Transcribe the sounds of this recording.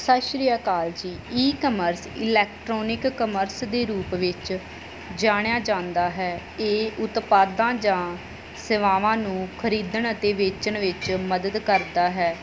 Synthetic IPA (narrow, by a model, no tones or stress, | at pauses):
saːʃɾiːaːkaːld͡ʒiːiːkəməɾsɪlɛːkʈɾɔːnɪkːəməɾsd̪eːɾuːpʋɪt͡ʃ | d͡ʒaːɽ̃ejaːd͡ʒãːnd̪aːɦɛː | eːʊt̪paːd̪ãːd͡ʒãː | səʋaːʋãːnũːkʰəɾiːd̪əɳət̪eːʋeːt͡ʃəɳʋɪt͡ʃməd̪əd̪kəɾd̪aːɦɛː